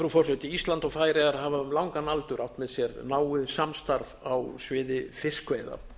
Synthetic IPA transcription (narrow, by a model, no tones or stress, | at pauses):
fɾufɔrsœt̪ɪist̪lant̪ɔɣfaːjɾeɣaɾɦavamlawŋkanalt̪ʏɾʔawht̪mɛðsjɛɾnaːwʏðsamst̪aɾvawsvɪːðɪfɪskveːjða̰